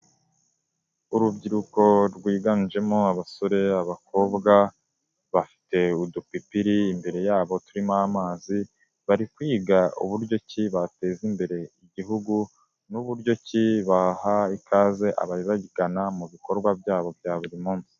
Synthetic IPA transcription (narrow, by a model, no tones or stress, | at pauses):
uɾubɟiɾuko̞ɾɡwiːɡand͡ʒe̞moaβasoɾe̞aβakʰo̞ːbɡa | βafi̥te̞udupipiɾiːmbe̞ɾe̞jaːβo̞tuɾimaamaːzi | βaɾikwiːɡaṵβuɾɟo̞ciβate̞zimbe̞ɾe̞iɟiɦuɡu | nuβuɾɟo̞ciβahaikʰaːze̞ʔa̰βaɾiβaɟiɡanamuβiko̞ɾɡwabjaːβo̞bjaːβuɾimuːnsi̥